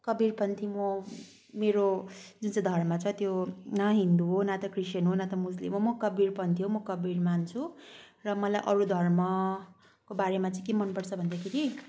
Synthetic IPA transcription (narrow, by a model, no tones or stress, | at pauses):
kʌbirpʌnt̪ʰimʌ | meɾod͡zunt͡sʌ̃d̪ʱʌrmʌt͡sʰʌt̪jonaɦind̪uɦonat̪ʌkriʃjʌnɦonat̪ʌmuslḭmɦomʌkʌbirpʌnt̪ʰiɦomʌkʌbirmant͡sʰu | rʌmʌlajʔʌɾud̪ʱʌrmʌ | kobaɾemat͡sʌĩkemʌnpʌrt͡sʰʌbʱʌnd̪akʰeɾi